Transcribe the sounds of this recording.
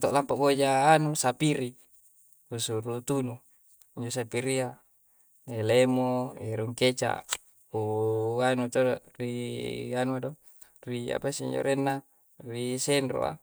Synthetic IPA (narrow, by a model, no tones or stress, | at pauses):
t̪oʔlampabod͡ʒaːnusapiɾi | usuɾut̪unu | iɲd͡ʒosapiɾia | elemoeɾuŋket͡ʃa̰ | uanut̪orianuado | ria̰pasiḭɲd͡ʒo̰ɾenːa | risenɾo̰a̰